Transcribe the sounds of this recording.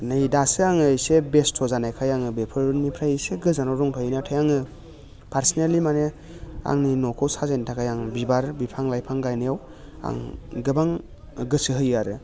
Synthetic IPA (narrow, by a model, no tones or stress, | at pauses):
nɯjdasɯaŋɯjsebestʰɔzanajkʰajaŋɯbepʰɯɾunmipʰɾajɯseɡɯzanɔwɾɔŋtʰɔjɯnatʰajaŋɯ | pʰaɾsinelimane | a̰ŋninɔkʰɔwsazajntʰakʰajaŋbibaɾbipʰaŋlajpʰaŋɡajnɯjaw | a̰ŋɡɯbaŋ | ɡɯsɯɦɯjaɾɯ